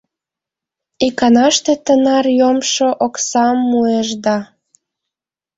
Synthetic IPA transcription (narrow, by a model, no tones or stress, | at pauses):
ikɑnɑʃt̪et̪ənɑrjomʃoʔoksɑmːueʒd̪ɑ